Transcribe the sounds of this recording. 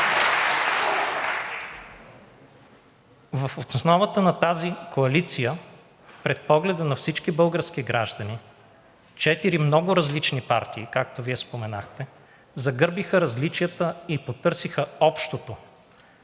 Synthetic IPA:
vəfot̪snɔvət̪ənɐt̪azikoɐlit̪sijə | pɾɛt̪̚pɔɡlɛd̪ənɐfsit͡ʃkibɤlˠɡəɾskiɡɾaʒd̪ɐni | t͡ʃɛt̪iɾimnɔɡʊɾɐzlit͡ʃnipa̰ɾt̪iːkak̚t̪oviɛspomɛnaxt̪ɛ | zɐɡɤɾbixəɾɐzlit͡ʃijət̪əipot̪ɤɾsixəɔpʃt̪ot̪o

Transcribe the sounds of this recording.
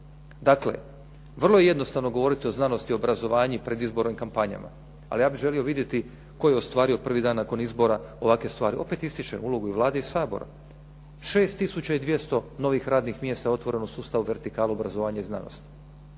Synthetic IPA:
d̪akle̞̰ | ʋr̩lˠojeje̞d̪no̞st̪aʋno̞ɡo̞ʋo̞ɾit̪io̞znano̞st̪iobɾazo̞ʋaːɲipɾe̞d̪izbo̞ɾnimkampaɲa̰ma̰ | a̰lijaːbiʒe̞lio̞ʋid̪je̞t̪i | ko̞jeost̪ʋaːɾio̞pr̩ʋid̪aːnːako̞nizbo̞ɾao̞ʋakʋe̞st̪ʋaːɾiʔo̞pe̞t̪ist̪it͡ʃḛnulˠo̞ɡuiʋlˠaːd̪eisaːbo̞̰ɾa̰ | ʃe̞ːst̪ːisut͡ɕaid̪ʋjest̪o̞no̞ʋixɾaːd̪nixmjest̪ao̞t̪ʋo̞ɾe̞nosuːst̪aʋuʋe̞ɾt̪ikaːluobɾazoʋaːɲaizna̰no̰st̪i̥

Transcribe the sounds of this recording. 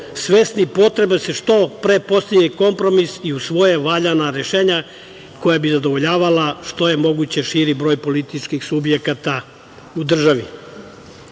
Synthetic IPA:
sʋesnipo̞t̪ɾe̞beseʃt̪o̞pɾepo̞st̪eeko̞mpɾo̞misiusʋo̞jeʋaʎanaɾe̞ʃe̞ːɲa | ko̞jabizad̪oʋo̞ʎaːʋalaʃt̪o̞je̞mo̞ɡut͡ɕe̞ʃiɾibɾo̞jpo̞lit̪it͡ʃkixsubjekat̪a | ud̪r̩ʒaʋi

